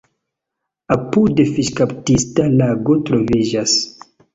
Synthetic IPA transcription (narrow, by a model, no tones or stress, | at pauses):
apudefiʃkaptistalaɡotɾovid͡ʒas